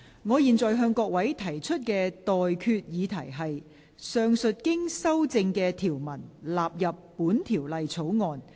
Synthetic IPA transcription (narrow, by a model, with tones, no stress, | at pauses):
ŋɔː˨˧jiː˨nt͡sɔː˨jɦœː˧ŋkɔː˧k̚wɐ˨˥jt̪ʰɐ˨˩jt͡ʃʰɵ˥t̚kɛː˧t̪ɔː˨jkʰyː˧t̚jiː˨˧t̪ʰɐ˨˩jɦɐ˨j | sœː˧ŋsɵ˨t̚kɪ˥ŋsɐ˥wt͡sɪ˧ŋkɛː˧t̪ʰiː˨˩wmɐ˨˩nlaː˨p̚jɐ˨pːuː˨˥nt̪ʰiː˨˩wlɐ˨jt͡sʰo˨˥wŋɔː˨n